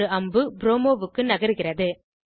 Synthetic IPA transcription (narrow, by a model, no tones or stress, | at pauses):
ɯɐmbɯbɾoːmoːʋɯkːɯnɐɣɐɾɯɣɪrɐðɯ